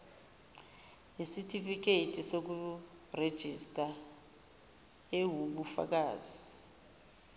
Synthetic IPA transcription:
ɦisitʰʼifik̬eitʰʼisok̬u | red̥ʒ̥ʱistʼa | ewuɓufa̰k̬aːzi

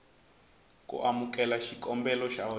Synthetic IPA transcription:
kṵʔamukʼɛlaʃikɔmbɛlɔʃaɔ

